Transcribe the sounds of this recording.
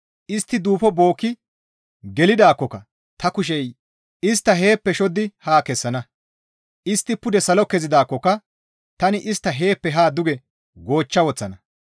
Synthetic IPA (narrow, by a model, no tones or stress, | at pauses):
ʔɪst̪ːɪd̪uːfɔbo̞ːkːɪ | ɡɛlɪd̪aːkːɔkɐ | t̪ɐkʊʃ̬ɛj | ʔɪst̪ːɐɦe̞ːpːɛʃɔd̪ɪhaːkɛsːɐnɐ | ʔɪst̪ːɪpʊd̪ɛsɐlɔkɛzɪd̪aːkːɔkɐ | t̪ɐnɪʔɪst̪ːɐɦe̞ːpːɛɦaːd̪ʊɡɛ | ɡo̞ːt͡ʃːɐwɔt͡sːɐnɐ